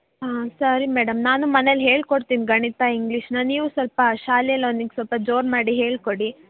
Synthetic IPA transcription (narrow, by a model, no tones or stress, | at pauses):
ɦaːsɐɾimɛːɖɐmnaːnumɐnelɦe̞ːɭkoɽt̪iːniɡɐɳit̪aiŋɡliʃnɐniːʋusɐlpɐʃaːljɐlond̪iɡesɐlpɐd͡ʒoːɾmaːɽiɦe̞ːɭkoɽi